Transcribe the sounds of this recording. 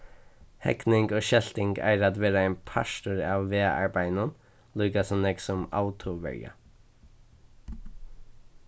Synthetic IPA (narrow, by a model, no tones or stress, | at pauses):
hɛ̰knɪŋɡoːʃɛlt̪ɪŋɡæ̰ːɾɑt̪ʋeːɾɑeɪnpʰɑ̰ʃtʊɹɑːʋʋeːɑ̰ɹbæɪnən | lʉːɡɑsɔneːɡsʊmɑ̰ʊt̪ʰʊʋɛ̰ɹjɑ̰